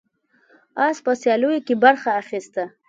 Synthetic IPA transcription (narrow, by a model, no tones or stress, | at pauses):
ɑspəsjɑlujokebaɾxaːxist̪a